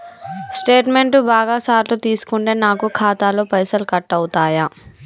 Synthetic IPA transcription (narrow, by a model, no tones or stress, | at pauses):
sʈe̞ːʈme̞ɳʈubaːɡaːsaːɾlut̪iːsu̥kuɳʈeːnaːkukʰaːt̪aːloːpɐjsɐlkɐʈːɐwt̪aːja